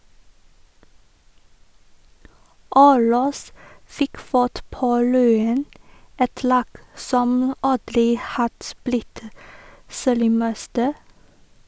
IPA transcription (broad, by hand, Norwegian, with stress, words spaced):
ˈɑʉlɑs ˈfɪk ˈfɑʈ ˈpoː ˈlyːən ˈɛt ˈlɑːɡ ˈsɔm ˈɑdɾɪ ˈhɑd ˈblɪt ˈseːɾɪˌmɛstə